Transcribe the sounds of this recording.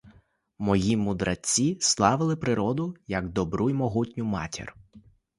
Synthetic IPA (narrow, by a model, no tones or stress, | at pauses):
mɔjimʊd̪ɾʔɐt͡sʲːislˠɑʋɪlˠɪpɾɪɾɔd̪ʊjɐɡd̪ɔbɾujmɔɦutʲnʲʊmɑtʲḭr